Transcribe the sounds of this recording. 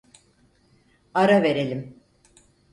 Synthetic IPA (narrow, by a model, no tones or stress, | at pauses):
aɾave̞ɾe̞lʲim